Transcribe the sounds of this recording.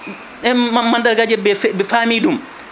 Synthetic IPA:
ɛamandaɾɡad͡ʒɛbɛfbɛfaːmidum

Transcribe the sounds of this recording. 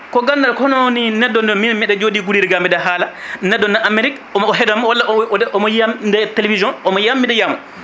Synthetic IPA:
kɔɡandaɾkɔnɔwninɛdːɔndɔminmɛɗɛd͡ʒoːdiɡuɾiɾiɡamɛdaɦaːlanɛdːɔnɛʔameɾik | ɔmɔɦɛdamwalːaɔɛʔɔmɔjamdɛtelevizjɔnɔmɔjamːindɛjamɔ

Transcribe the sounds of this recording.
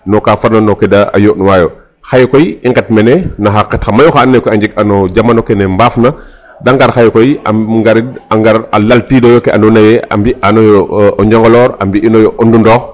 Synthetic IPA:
nɔkafaɾnanɔkɛdaa̰joʔnwajɔ | xajkɔjiŋɡɛt̚mɛnɛnaxakɛtxɐmajɔxaːnːɛkɔaɲd͡ʒik̚anɔd͡ʒamanɔkɛnɛmbaːfna | daŋɡaɾxajkɔja̰ŋɡaɾiaŋɡaɾalaltidɔjɔkɛʔa̰ndɔnajɛa̰mbianɔjɔɔɲd͡ʒɔŋɡɔlɔːɾambiinɔjɔʔɔndundɔːx

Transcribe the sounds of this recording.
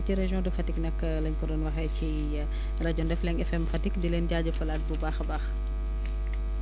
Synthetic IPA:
ciɾɛʒjɔ̃dufɐtiknɐkːəlɐɲkɔdɔnwɐxɛci | rɐɟɔndɛflɛɲɛfɛmfɐtikdilɛnɟaːɟəfulaːt̚bubaːxbax

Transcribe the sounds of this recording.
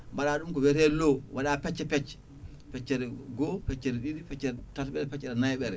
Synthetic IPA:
baɗaːɗumkɔwɛɾɛlowʔaɗapɛt͡ʃːɛpɛt͡ʃːɛ̥ | pɛt͡ʃːɛɾɛɡɔpɛt͡ʃːɛɾiɗiɾipɛt͡ʃːɛɛtatɓɛɾɛpɛt͡ʃːɛɗanajɓɛɾɛ

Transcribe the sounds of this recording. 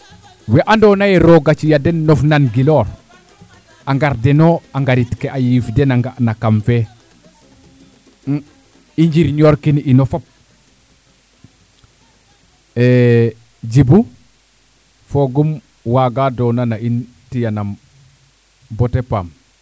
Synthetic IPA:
wɛʔandɔːnajeɾoɡat͡ʃijadɛnːofnanɡilɔːɾ | aŋɡaɾdenoaŋɡaɾitkeʔajifdɛnaŋɡaʔnakamfe | iɲɟiɾɲoːɾkininofop̚ | e | d͡ʒibu | foɡum | waɡadɔnanain | tijanam | botepa̰m

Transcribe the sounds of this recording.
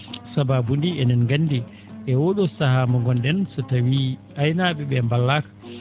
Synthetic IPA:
sababundiɛnɛnŋɡanːdi | ʔɛwɔɗɔsahamɔŋɡɔndɛnsɔtawi | ajnaɓɛɓɛmbalːakḁ

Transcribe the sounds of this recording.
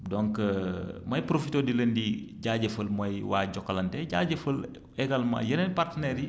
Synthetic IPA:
dɔŋk | mɐjpɾofitoːdiləndiɟaːɟəfəlmɐjwa̰ːɟɔkːɐlɐntɛɟaːɟəfəl | ɛɡalmã̰jɐnɐnpartənɛːɾi

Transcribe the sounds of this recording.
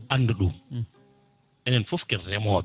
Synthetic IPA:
anːduɗum | ʔɛnɛnfofkɛɾːɛmɔ

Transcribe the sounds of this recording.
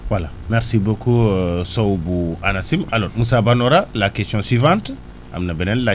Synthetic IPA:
wala | mɛɾsibokusowbuanasimalɔɾmusabanoɾalakestjɔ̃nswivãnt | a̰mnabenɛnla

